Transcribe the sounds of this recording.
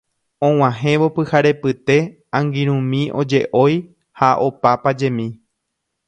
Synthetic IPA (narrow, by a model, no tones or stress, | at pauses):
õ̞w̃ãɦẽ̞ʋo̞pɨhaɾe̞pɨt̪e̞ | ãŋɡĩɾ̃ũmĩʔo̞d͡ʒe̞ʔo̞j | haʔo̞papad͡ʒẽ̞mĩ